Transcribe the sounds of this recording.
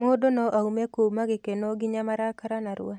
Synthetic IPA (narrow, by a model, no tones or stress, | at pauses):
modonɔʔaumɛkomaɡɪkenoɡɪɲamaɾakaɾanaɾʊ̰a